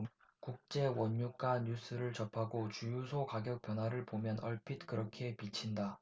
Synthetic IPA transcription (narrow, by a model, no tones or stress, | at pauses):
kuk̚t͡ɕ͈e̞wʌɲːuk͈aɲus͈ʰɯɾɯɭt͡ɕʌpʰaɡot͡ɕujusʰokaɡjʌk̚p͈jʌnwaɾɯɭpomjʌnʌɭpʰitkɯɾʌkʰe̞pit͡ɕʰinda